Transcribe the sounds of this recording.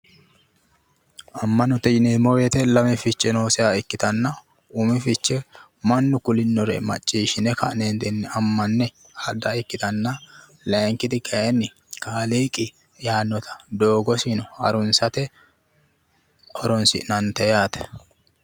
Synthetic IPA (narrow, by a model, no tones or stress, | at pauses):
ʔɐmːɐnɔt̪ɛjɪneːmɔweːt̪ɛlɐmɛfɪt͡ʃːɛno̞ːsɪaɪkːɪt̪ɐnːɐ | ʊmɪfɪt͡ʃːɛ | mɐnːʊkʊlɪnːɔɾɛ̰mɐ̰t͡ʃʼːiːʃɪnɛkɐ̰ʔneːnd̪ɛnːɛɐmːɐnːɛ | hɐd̪aɪkːɪt̪ɐnːɐ | lɐŋkɪt̪ɪkʼɐɛnːɪ | kaːliːkʼɪ | jaːnːɔt̪ʰɐ̥d̪o̞ːɡɔsinɔhɐ̰ɾʊnsɐt̪ɛ | ɔɾɔnsɪ̰ʔnɐnt̪ɛjaːt̪ɛ̥